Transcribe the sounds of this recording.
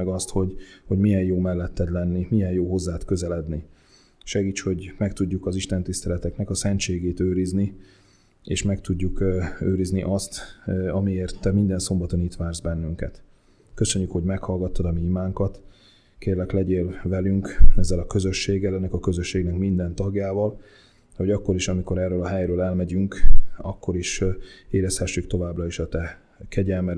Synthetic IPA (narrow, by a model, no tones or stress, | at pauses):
ɡɒst̪ho̞ɟho̞ɟmijɛnjoːmɛlːɛt̪ːɛd̪lɛnːimijɛjjoːɦo̞zːaːt̪kø̞zɛlɛd̪ni | ʃɛɡiːt͡ʃho̞ɟmɛkt̪uɟːukɒziʃt̪ɛnt̪ist̪ɛlɛt̪ɛknɛkɒsɛnt͡ʃeːɡeːt̪øːɾizni | ḛːʃmɛkt̪uɟːukøːɾizniʔɒst̪ɒmieːrt̪ːɛmind̪ɛnso̞mbɒt̪o̞nit̪ʋaːrzbɛnːyŋkɛ̰t̪ | kø̞sø̞ɲːykho̞ɟmɛkhɒlɡɒt̪ːɒd̪ɒmimaːŋkɒt̪ | keːrlɛklɛɟeːlvɛlyŋkɛzːɛlɒkø̞zø̞ʃːeːɡɛlɛnːɛkɒkø̞zøʃːeːɡnɛkmind̪ɛnt̪ɒɡjaːvɒl | ho̞ɟɒkːo̞ɾiʃɒmiko̞ɾɛrːøːlɒɦɛjɾøːlɛlmɛɟyŋkɒkːo̞ɾiʃeːɾɛshɛʃːykt̪o̞vaːbrɒiʃɒt̪ɛ | kʰɛɟɛlmɛɾ